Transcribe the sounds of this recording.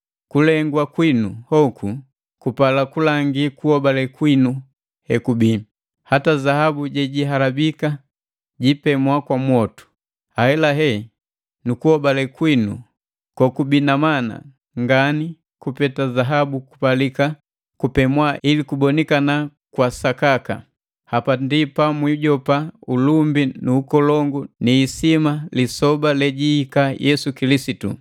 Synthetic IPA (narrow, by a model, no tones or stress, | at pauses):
kulɛŋɡwakwinuhɔkʰu | kupalakulaŋɡikuhɔbalɛkwinu | hɛkubi | hatazahabuɟɛɟiɦalabika | ɟipɛmwakwamwɔtu̥ | ahɛlaɦɛ | nukuhɔbalɛkwinu | kɔkubinamana̰ | ŋɡani | kupɛtazaɦabuku̥palika | kupɛmwailikubɔnikana | kwasakaka̰ | hapandipamwiuɟɔpaulumbinuːkɔlɔŋɡuniːsimalisɔbalɛɟiːkajʔɛsukilisitṵ